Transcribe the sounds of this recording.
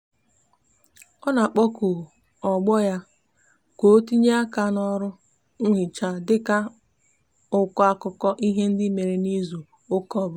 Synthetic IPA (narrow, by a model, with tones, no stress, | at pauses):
ɔ˦na˨k͡pɔ˦kʊ˨ | ɔ˨ɡ͡bɔ˦ja˦ | kʷo˦ti˦ɲe˦a˦ka˦nɔ˦ɾʊ˦ | ŋ̩˦ɦɪ˨t͡ʃa˨dɪ˦ka˦ | ʊ˦kɔ˦a˦kʊ˦kɔ˦ʔi˦ɦe˦n̩˦dɪ˦me˨ɾe˨ni˦zu˨ | ʊ˦kɔ˦˨bʊ˨˦